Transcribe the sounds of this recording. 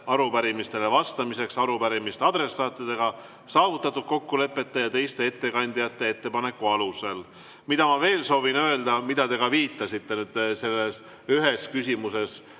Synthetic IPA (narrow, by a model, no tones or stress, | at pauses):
ɑɾupæɾimist̪e̞le̞vɑst̪ɑmise̞ksɑɾupæɾimist̪eɑd̪ɾe̞sːɑːt̪ˑːid̪̥e̞ɡ̥ɑ | sɑːvut̪ːˑɑt̪ːud̪̥̚ko̞kːule̞pːˑe̞t̪ːe̞jɑt̪e̞jst̪e̞e̞t̪ːe̞kɑnʲd̪̥ijɑt̪ːe̞et̪ːe̞pɑne̞kːˑuɑluse̞l | mid̪ɑmɑve̞ːlso̞ːvinø̞e̞ld̪ɑmid̪̥ɑt̪e̞ɡɑviːt̪ːˑɑsit̪ːe̞nyd̪̥se̞lːes | yɦe̞skysʲimuse̞s